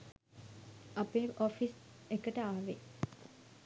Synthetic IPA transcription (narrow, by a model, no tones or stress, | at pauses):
apeːofis | ekəʈəaːʋe